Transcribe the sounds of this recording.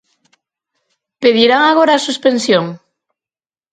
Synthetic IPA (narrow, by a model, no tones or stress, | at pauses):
peðiɾaŋaɣoɾasuspensjoŋ